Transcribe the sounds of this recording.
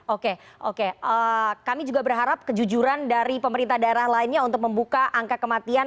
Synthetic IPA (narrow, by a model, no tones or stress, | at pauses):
okeʔokeəkamid͡ʒuɡabərɦaɾap̚kəd͡ʒud͡ʒuɾandaɾipəməɾint̪ahdaeɾahlaɪnɲaunt̪ʊk̚məmbukaʔaŋkakəmat̪ian